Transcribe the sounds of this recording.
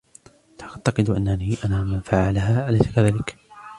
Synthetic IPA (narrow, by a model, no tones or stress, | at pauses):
t̪ʰat̪ɑqɨd̪ʔa̰nːaniːʔanaːmanfaʕalahaːʔalajsḁkaðaːlɪk